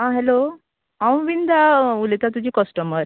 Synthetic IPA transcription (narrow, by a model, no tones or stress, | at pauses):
ɦãɦɛlo | ãw̃ʋind̪ʱaulit̪at̪ud͡ʑiːkɔsʈəməɾ